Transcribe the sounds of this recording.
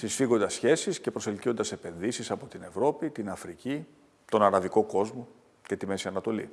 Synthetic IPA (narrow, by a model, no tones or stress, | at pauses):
sisfiɣo̞nd̪ɐsçe̞sisce̞pɾo̞se̞lcio̞nd̪ɐse̞pe̞nðisisɐpo̞t̪ine̞vɾo̞pit̪inɐfɾici | t̪o̞nɐɾɐviko̞ko̞zmo̞ | ce̞t̪ime̞siɐnɐt̪o̞lḭ